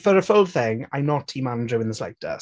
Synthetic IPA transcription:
fəɹəfʊlˠθɪ̃ŋa̰ɪnɔtʰiːmãndɹuɪ̃nðəsla̰ɪtə̰

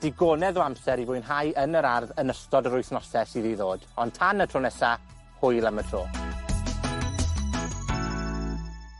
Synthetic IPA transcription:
d̥ɪɡonɛðoamsɛɾivʊːɨnɦajənəɾarðənəstɔdəɾʊjθnɔsɛsiðiðoːd̥ɔntʰanətʰoːnɛsa | hʊjlˠamətʰroː

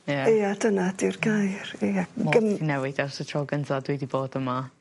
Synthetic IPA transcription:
jaiːadənadirɡajriaɡəinɛwɪdɛwsɔtʰrɔːɡəntɔdwidiboːd̥əma

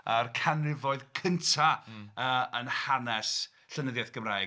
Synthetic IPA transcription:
arkʰanrɪvɔɨðkʰəntʰaəːənhanɛs | ɬənəðjaθɡ̥əmraɨ

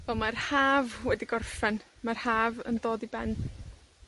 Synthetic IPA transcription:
vɛlˠmarhaːvwɛdiɡɔrfɛnmarhaːvə̰ndoːdibɛn

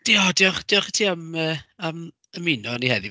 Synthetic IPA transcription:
d̥iɔdiɔχd̥iɔχtʰiːaməːam | əmɪnɔnihɛðɪ

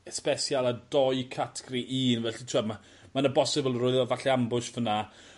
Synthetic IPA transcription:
ɛspɛsjalˠadɔɨkʰatʰɡɾiʔiːnvɛɬitʰuama | manəbɔsɪblˠrʊɨðɔvaɬiambʊʃvəna

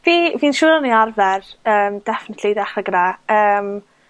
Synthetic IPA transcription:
viːviːnʃuːɾaniarvɛrəːmd̥ɛfɪnətʰlidaχrəɡɾaəːm

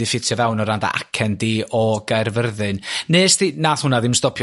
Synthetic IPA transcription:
ɪfɪtʰjɔvɛwnɔɾanda̰ʔa̰kʰɛndiːʔɔɡ̥ajrvərðɨnneːstinaːθhʊnaðɪmstɔpʰj

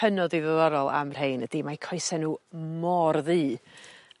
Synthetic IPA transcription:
ənɔðiðəðɔɾɔlˠa̰mr̥ejnədimakʰɔjsɛnuːmɔrðiː

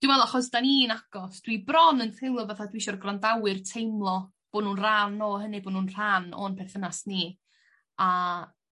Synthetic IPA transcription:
d̥ɪwɛlˠaχɔsd̥aniːnaɡ̥ɔsd̥wibrɔnənθʰɪlˠɔvaθadwiʃɔrɡrandawɨrtʰejmlˠɔ | b̥oːnuːnr̥anɔɦənɨboːnuːnr̥anɔ̰npʰɛrθənasni | a

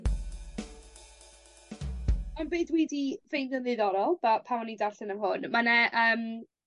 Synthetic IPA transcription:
manbeːdwidivejnɡɔnðɨðɔɾɔlˠb̥apʰawnidarɬɪnəmɦʊnmanɛʔəːm

